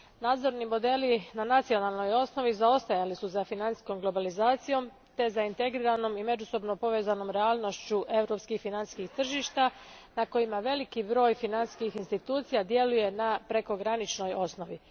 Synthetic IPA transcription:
naːd̪zo̞ɾnimo̞d̪e̞linanat̪sio̞naːlˠno̞jo̞sno̞ʋizao̞st̪ajalisuzafinansi̥sko̞mɡlo̞balizaːt̪sijo̞m | t̪e̞zaint̪e̞ɡɾiːɾanomime̞d͡ʒuso̞bno̞po̞ʋeːzano̞mɾeaːlˠno̞ʃt͡ɕuʔe̞wɾo̞pskixfinanskixt̪r̩ʒiːʃt̪anako̞imaʋe̞likibɾo̞ːjfinanskixinst̪it̪uːt̪sijad̪je̞luje̞napɾe̞ko̞ɡɾanit͡ʃno̞jo̞sno̞ʋi

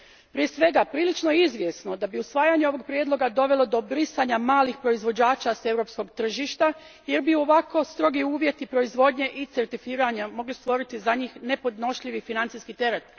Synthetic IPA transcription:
pɾije̞sʋe̞ɡapɾiːlit͡ʃno̞jeizʋje̞sno̞d̪abiusʋaːjaɲeo̞ʋoɡ̚pɾjed̪lˠo̞ɡad̪o̞ʋe̞lˠo̞d̪o̞bɾisaɲamaːlixpɾo̞izʋo̞d͡ʑaːt͡ʃase̞wɾo̞psko̞ɡt̪r̩ʒiʃt̪a | je̞ɾbio̞ʋako̞st̪ɾo̞ɡiuːʋje̞t̪ipɾo̞izʋo̞d̪ɲe̞ʔit̪seɾt̪ifiːɾaɲamo̞ɡlist̪ʋo̞ɾit̪izaɲiːxne̞po̞d̪no̞ʃʎiʋifinant̪siskit̪e̞ɾet̪

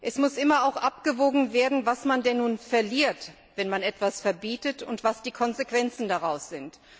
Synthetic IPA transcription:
ʔɛsmʊsʔɪmɐaʊxʔapɡ̥əvoːɡŋ̩veːɐdn̩vasmandɛnːuːnfɛɐliːɐt | v̥ɛnmanɛtv̥asfɛɐbiːtətʊntv̥asd̥iːkʰɔnzekv̥ɛnt͡sn̩daʁaʊsz̥ɪnt

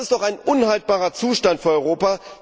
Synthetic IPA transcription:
ɪstd̥ɔχaɪnʔʊnhalt̚b̥aːʁɐt͡suːʃtantfyːɐɔʏʁoːpa

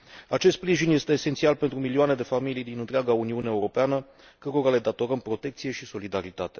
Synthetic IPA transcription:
at͡ʃest̪spɾiʒinje̞st̪e̞ːse̞nt̪sialpe̞nt̪ɾumilioane̞d̪e̞familijd̪inɨnt̪ɾeaɡauniuneeːuɾo̞peanə | kəɾo̞ɾale̞d̪at̪o̞ɾəmpɾo̞t̪e̞k̚t̪sije̞ʃiso̞lid̪aɾit̪at̪e̞

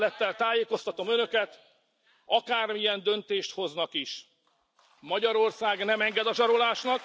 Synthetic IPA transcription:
lɛt̪ːɛlt̪aːjeːko̞st̪ɒt̪o̞mønø̞kɛt̪ | ɒkaːrmijɛnd̪ønt̪eːʃt̪ho̞znɒkiʃ | mɒɟɒɾo̞rsaːɡnɛmɛŋɡɛd̪ɒʒɒɾo̞laːʃnɒk

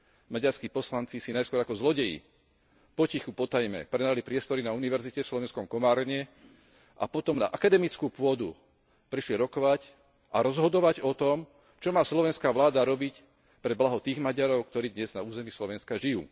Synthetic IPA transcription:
maɟaɾskiːpɔslant͡sisinajskʊɔɾakɔzlɔɟɛjḭ | pɔcixupɔt̪ajmɛ̰pɾɛnalipɾɪɛst̪ɔɾinauniʋɛɾzicɛfslɔʋɛnskɔmkɔmaːɾɲɛ | ʔa̰pɔt̪ɔmna̰ʔakad̪ɛmit͡skuːpʊɔd̪u | pɾiʃlɛɾɔkɔʋac | ʔaɾɔzɦɔd̪ɔʋaɟɔt̪ɔm | t͡ʃɔmaːslɔʋɛnskaːʋlaːd̪aɾɔbic | pɾɛblaɦɔt̪iːɣmaɟaɾɔʊkt̪ɔɾiːd̪ɲɛznauːzɛmiːslɔʋɛnskaʒijṵː

